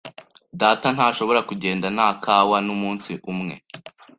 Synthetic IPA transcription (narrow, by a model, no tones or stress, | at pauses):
daːtan̥haːʃo̞βo̞ɾakuɟe̞ːndanaːkʰaːwanumuːnsiʔumŋe̞̰